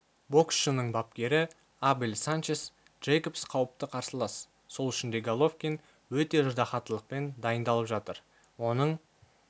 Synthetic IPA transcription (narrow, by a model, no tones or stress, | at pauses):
bo̞ksʃənəɴbɑp̚kʲe̞ɾɪ | abɪlʲsant͡ʃes | d̪ʒ̥ejko̞psqʰɑwəp̚t̪əqʰɑɾsəlˠɑs | so̞lˠɪʃɪnd̪e̞ɡalˠo̞fkʲin | wɵt̪e̞ʒʊd̪ɑχɑt̪əlˠəq̚pe̞nd̪ɑjənd̪ɑlˠəpʒɑt̪əɾ | wo̞nəɴ